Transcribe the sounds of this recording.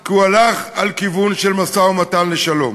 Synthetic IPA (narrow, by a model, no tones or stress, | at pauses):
kualaχalkivunʃelmasaomatanleʃalo̞̰m